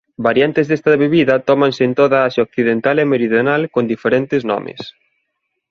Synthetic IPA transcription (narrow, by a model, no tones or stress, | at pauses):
baɾjant̪ezðest̪aβeβiðɐt̪ɔmãnsɪːnt̪oðaaʃaokθiðent̪alemeɾiðjonalkond̪ifeɾent̪ɪznɔ̰mḛs